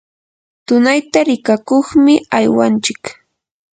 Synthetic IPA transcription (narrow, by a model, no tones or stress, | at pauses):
t̪ʊnajt̪aɾɪkakoχmɪajwant͡ʃɪk